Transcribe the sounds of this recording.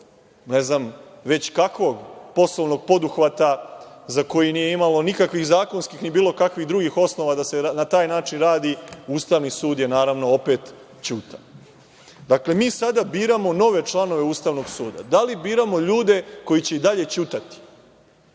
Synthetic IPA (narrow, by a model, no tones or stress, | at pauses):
ne̞znamʋe̞t͡ɕkakʋoɡpo̞sloʋno̞ɡ̚po̞d̪uxʋat̪a | zako̞jiniːje̞imalo̞nikakʋixzaːko̞nskixnibiːlo̞kakʋixd̪ɾuɡixo̞sno̞ʋad̪asenat̪aːjnaːt͡ʃinɾaːd̪iuːst̪aʋnisuːd̪jenaːɾaʋno̞ope̞t̪ | t͡ɕuːt̪an | d̪akle̞miːsad̪abiːɾamo̞no̞ʋe̞t͡ʃlˠano̞ʋe̞uːst̪aʋnoɡsuːd̪a̰d̪alibiːɾamo̞ʎuːd̪e̞ko̞jit͡ɕe̞id̪aʎe̞t͡ɕuːt̪at̪i̥